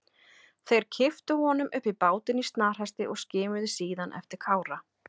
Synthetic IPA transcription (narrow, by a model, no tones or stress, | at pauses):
θejɾ̥cʰɪft̪ʏhɔnʏmʔʏhpːipaːwt̪ɪnist̪naːr̥hast̪ɪʔɔɣscɪːmʏðʏsiːðanʔɛ̰ft̪ɪɾ̥kʰaːwɾa